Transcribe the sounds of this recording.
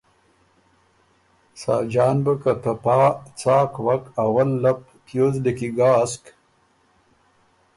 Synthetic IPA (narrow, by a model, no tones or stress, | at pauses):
sa̰ːd͡ʒaːnbəkat̪ɐpaːt͡saːkwakawɐlːap̚ | t̪jozdekiɡaːsk